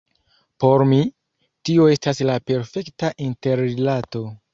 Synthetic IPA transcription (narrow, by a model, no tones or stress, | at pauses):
po̞ɾmi | tio̞e̞staslape̞ɾfe̞ktaʔinte̞ɾelato̞